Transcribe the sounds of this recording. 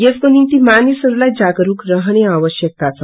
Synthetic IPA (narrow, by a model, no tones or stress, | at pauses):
jesk̪onint̪imanisəɾlajd͡zaɡɾuːkɾəɦɳeaʋəɕjək̚t̪at͡sa